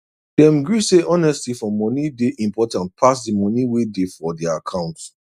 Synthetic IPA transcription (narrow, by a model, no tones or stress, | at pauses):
d̥ɛ̃mɡɹuseʔɔnɛstlifɔmɔnideʔĩmpʰɔtãnt̚pʰasdimɔniwedefɔdɛaakʰãʊ̃nt